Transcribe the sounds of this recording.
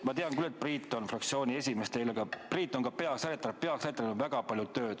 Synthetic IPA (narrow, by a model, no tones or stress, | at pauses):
mɑt̪eɑŋkyle̞t̪̚priːt̪ˑːo̞nfrɑkt̪sio̞ːnʲie̞s̬ʲime̞st̪eleɡ̥ɑpriːt̪ːˑo̞ŋkɑpe̞ɑksɑɾet̪ːˑɑpe̞ɑkset̪ːenovæɡ̥ɑpɑlʲjut̪ːø̞ːd̪̥